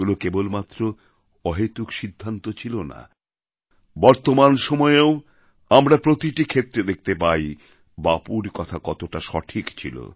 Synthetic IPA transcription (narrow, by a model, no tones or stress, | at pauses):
ulokebolmat̪ːɾo | ɔɦet̪ukʃid̪ʱːant̪ot͡ɕʰilona̰ | bɔɾt̪omanʃɔmɔeeo | amɾapɾot̪iʈikʰet̪ːɾed̪ek̚ʰt̪epaj | bapuɾkɔt̪ʰakɔt̪oʈaʃɔʈʰikt͡ɕʰḭlo̰